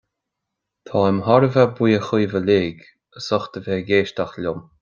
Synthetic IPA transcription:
t̪ʰɑːɪmhɔɾəvɛbwiːəxiːvəleːɡ | əsɔxt̪əveːɡeːʃt̪axlʊm

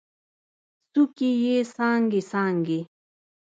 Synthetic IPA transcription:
sukijeːsaːŋɡisaːŋɡi

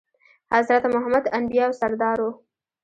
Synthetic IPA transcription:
hazɾat̪mʊɦamad̪and̪ijɑwsaɾd̪ɑɾo

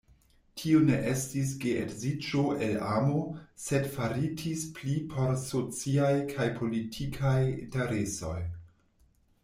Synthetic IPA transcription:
tʰione̞ʔe̞stis̬ɡeʔetzid͡ʒoʔelamo̞se̞dfaɾitʰisplipʰo̞ɾsot͡siajkʰajpʰo̞litʰikʰajḭnte̞ɾeso̞̰j

